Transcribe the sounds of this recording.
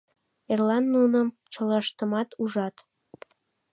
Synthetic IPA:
erlɑnːunəm | t͡ɕolɑʃt̪əmɑt̪uʒɑt̪

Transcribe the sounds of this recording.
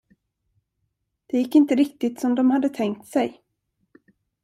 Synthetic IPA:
d̪̥ɛjɪkːɪnt̪əɾɪk̚t̪ɪt̪sɔmd̪ɔmhad̪ːət̪ʰɛŋk̚t̪sɛj

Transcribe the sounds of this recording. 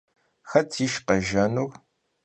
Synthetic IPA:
xɐtʰiʃqɐʒɐnur

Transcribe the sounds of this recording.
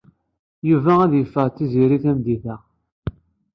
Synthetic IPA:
juvææðjəfːəʁt͡s̪ːiziɾiθæmd̪iθæ

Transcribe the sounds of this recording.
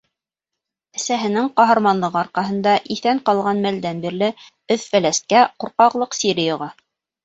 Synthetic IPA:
æ̆sæɦɘ̆nɘŋqɑɦɑ̆ɾmɑnlˠɤʁɤɑɾqɑɦɤ̆nd̪ɑʔiθæɴqɑlˠʁɑnmæld̪ænbiɾlɘ | ɵθfælæst̪̚kæquɾqɑʁlˠɤqsʲiɾʲɪjŏʁɑ

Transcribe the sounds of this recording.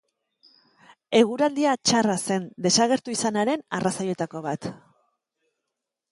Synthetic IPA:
e̞ɣ̞uɾald̪iat͡ʃarase̞nd̪e̞saɣ̞e̞ɾt̪uisanaɾe̞narasaje̞t̪ako̞β̞at̪

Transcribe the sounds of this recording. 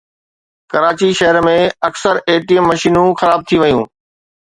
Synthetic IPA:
kɐɾaːt͡ɕiʃɐɦəɾmẽɐksəɾeːʈijəmːɐʃiːnũxɐɾaːb̚t̪ʰiʋɐjũː

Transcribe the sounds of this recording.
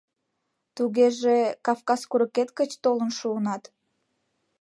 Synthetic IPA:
t̪uɣeʒekɑfkɑskuɾəket̪kət͡ɕt̪olənʃuənɑt̪

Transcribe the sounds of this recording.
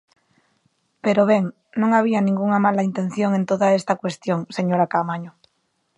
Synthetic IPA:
peɾoβeŋ | nõŋaβ̞ianĩŋɡuŋamalaint̪en̟θjoŋẽnt̪oðaest̪akwest̪joŋseɲoɾakamaɲo

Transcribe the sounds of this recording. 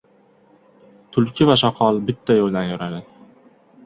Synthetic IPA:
t̪ʰʊlkʲʰɪvaʃɒqʰɒlˠbɪt̪ʰːajolˠd̪anjɒɾad̪ɪ

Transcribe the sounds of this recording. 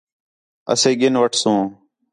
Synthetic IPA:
ə̰sẽːɡɪnʋəʈʰsũː

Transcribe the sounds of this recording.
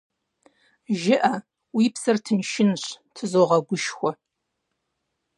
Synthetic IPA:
ʒɪʔɐ | wiːpsɐrtʰɨnʃɪnɕtʰɨzoːʁɐɡʷʊʃxʷɔ

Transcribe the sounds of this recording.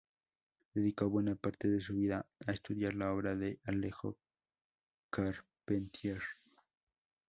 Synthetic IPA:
d̪̥e̞ðikoβwe̞napaɾt̪e̞ðe̞s̬uβiðaaest̪uðjaɾlao̞βɾaðe̞ʔalexo | kaɾ | pent̪jeɾ

